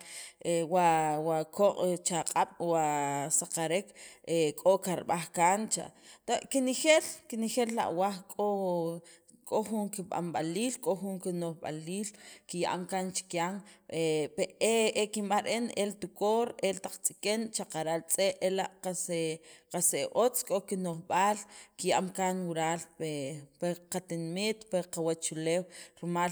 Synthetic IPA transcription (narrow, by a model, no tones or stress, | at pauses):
ewawakoqʼt͡ʃaqʼaɓ̥wasaqaɾekekʼokaɾɓaχkaːnt͡ʃa̰t̪aʔkinixelkinxelːa̰ʔwaχkʼo | kʼoχuŋkiɓa̰mɓa̰liːlkʼoxuŋkinoχɓa̰liːlkijaʔamkant͡ʃi̥kjaŋepeeekimɓaɾʔenelt̪ukoɾelt̪aq͡χt͡sʼikʼent͡ʃaqaɾalt͡sʼeʔelaʔqaseqaseʔot͡skʼokinoχɓaːlkijaʔamkanwuɾaːlpepeqat̪inimit̪peqawat͡ʃuleːwɾmal